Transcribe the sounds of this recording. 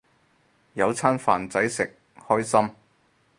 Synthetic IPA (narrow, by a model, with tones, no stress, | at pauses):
jɐ˨˧wt͡sʰaː˥nfaː˨˩nt͡sɐ˨˥jsɪ˨k̚ | hɔː˥jsɐ˥m